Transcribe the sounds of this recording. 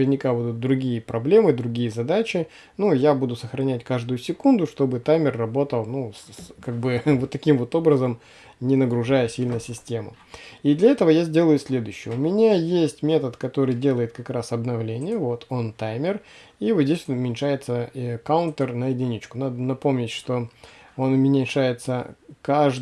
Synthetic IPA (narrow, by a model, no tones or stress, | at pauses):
vʲɪrnʲɪkabud̪ʊt̪̚d̪ɾʊɡʲijəpɾɐblʲe̞mɨd̪ɾʊɡʲijəzɐd̪at͡ɕɪ | nujabud̪ʊsəxɾɐnʲætʲkaʐd̪ʊjʊsʲɪkund̪ʊʂt̪o̞bɨt̪ajmʲɪrːɐbo̞t̪əlˠnuskaɡ̚bɨvot̪ːɐkʲimvo̞t̪o̞bɾəzəm | nʲɪnəɡɾʊʐajəsʲilʲnəsʲɪsʲtʲe̞mʊ̰ | id̪lʲɐɛt̪əvəjazʲdʲe̞lˠəjʊsʲlʲe̞d̪ʊjʏɕːɪjəʊmʲɪnʲajesʲtʲmʲe̞t̪ət̪kɐt̪o̞ɾɨjdʲe̞lˠəɪt̪̚kɐkɾasɐbnɐvlʲenʲɪjəvo̞t̪ʰo̞nt̪ajmʲɪr | ivozʲdʲesʲʊmʲɪnʲʂajɪt̪səkawʊnt̪ərnəɪdʲɪnʲit͡ɕkʊnad̪ənɐpo̞mnʲɪtʲʂt̪o̞o̞nʊmʲɪnʲɪʂajɪt̪səkaʐ